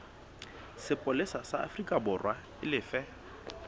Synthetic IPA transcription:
sɪpʼʊlesasaa̰frikʼabʊrwa | ɪlɪːfɛ

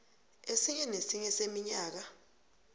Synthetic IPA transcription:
esik̬ɛnesiɲɛsemiɲaːk̬a

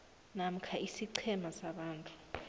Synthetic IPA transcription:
nam̩kʰaisiǀʰɛmasaɓaːntʼu̥

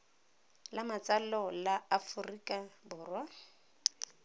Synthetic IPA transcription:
lamat͡sʼalɔlaafʊrikʼabʊːrwa

